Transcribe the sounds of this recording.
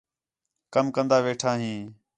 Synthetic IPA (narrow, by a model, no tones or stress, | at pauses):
kəmkənd̪aːʋeːʈʰãːɦĩː